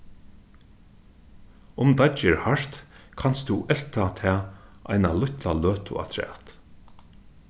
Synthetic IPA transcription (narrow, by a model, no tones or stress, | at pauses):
ʊmd̪at͡ʃɪɹhaɹ̥t̪kʰanst̪uʔɛlt̪ʰat̪ʰɛːʔa̰jnalʊçt̪laløːt̪ʰʊ̰a̰t̪ʰɹɛ̰ːt̪